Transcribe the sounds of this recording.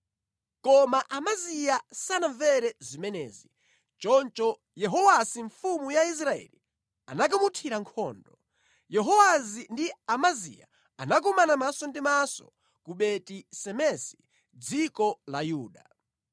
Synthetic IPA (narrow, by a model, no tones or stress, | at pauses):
kɔmaʔamazijasanaɱvɛɾɛzimɛnɛ̰ːzi | t͡ʃɔnt͡ʃɔ | jɛɦɔwasiɱfumujais̬ɾaɛ̰li | anak̬amutʰiɾaŋkʰɔːndɔ | jɛɦɔwazindiamazḭja̰ | anak̬ɔmanamasɔndimasɔ̰ | kuɓɛtisɛmɛsi̥ | d͡zikɔlajuːɗa